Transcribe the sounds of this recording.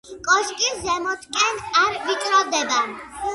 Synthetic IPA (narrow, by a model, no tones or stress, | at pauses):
kʼɔʃkʼizɛmɔt̪ʰkʼɛnaɾvit͡ʃʼɾɔd̪ɛbɛn